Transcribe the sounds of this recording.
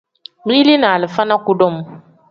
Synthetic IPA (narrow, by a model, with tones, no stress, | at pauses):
mi˦li˦naː˨lɨ˨fa˦na˦ku˦dɔ˦˨m˦